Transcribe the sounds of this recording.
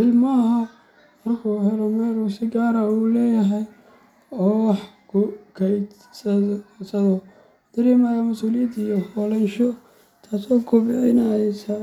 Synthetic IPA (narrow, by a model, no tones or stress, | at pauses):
ʔɪlmɐɦɐ | mɐrkʰuɦɛɾɔmɛːɾusɪɡaːɾɐuːlɛːjɐɦɛj | ɔːwɑħ | kʰʊkʰɛj | sɐsɐðɔ | d̪̥ɐɾɛːmajɐmʊsuːlɪjɐd̪ijɔfɔlɐnʃɔ | t̪ʰaːsɔːkʰʊbɪʕɪnɐsɐ